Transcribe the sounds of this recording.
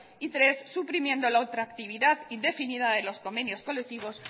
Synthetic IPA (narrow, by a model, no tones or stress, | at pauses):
it̪ɾe̞sːupɾimjẽ̞nd̪o̞laot̪ɾakt̪iβ̞iðaðid̪e̞finiðaðe̞lo̞sko̞mbe̞njo̞sko̞lek̚t̪iβ̞o̞s